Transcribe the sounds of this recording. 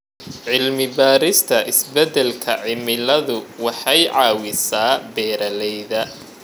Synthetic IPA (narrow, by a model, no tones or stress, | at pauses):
ʕɪlmɪbaːɾɪst̪ʰɐʔɪsbɛd̪ɛlkʰɐʕɪmɪlɐðʊwɑħɑjʕɑːwɪsaːbɛːɾɐlɛjðɐ